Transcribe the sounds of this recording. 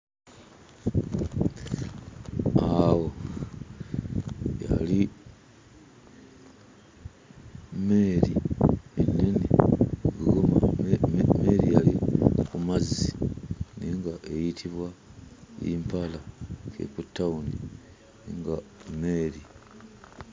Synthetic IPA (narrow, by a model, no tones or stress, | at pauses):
awo | ja̰li | meːɾieniniɡuɡoma | meɾijalikumaziniŋɡaʔejitʰiβwajḭmpalakḛkutːauni | niŋɡameːɾi